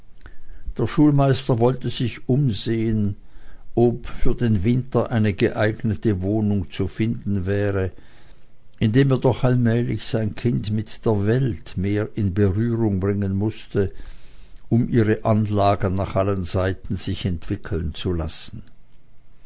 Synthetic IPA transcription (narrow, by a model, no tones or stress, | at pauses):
d̥eːɐʃuːlmaɪstɐvɔltəzɪçʔʊmzeːənʔopfyːɐdeːnvɪntɐʔaɪnəɡəʔaɪɡnətəvoːnʊŋt͡sufɪndn̩vɛːʁə | ʔɪndeːmeːɐdɔχalmɛːlɪçz̥aɪnkʰɪntmɪtd̥eːɐvɛltmeːʁɪnbəʁyːʁʊŋbʁɪŋənmʊstə | ʔʊmʔiːʁəʔanlaːɡənaːχʔalənzaɪtn̩z̥ɪçɛntv̥ɪkʰl̩nt͡sula̰sn̩